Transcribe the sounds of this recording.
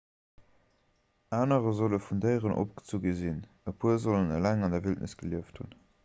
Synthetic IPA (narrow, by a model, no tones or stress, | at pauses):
ʔaːnəʁəzoləfundəɪʁənʔo̰p̚ɡ̥ə̥t͡suɡəzin | əpʰuəzolənə̰læŋɑndɐviltnʔə̰sɡ̥əliəfthṵn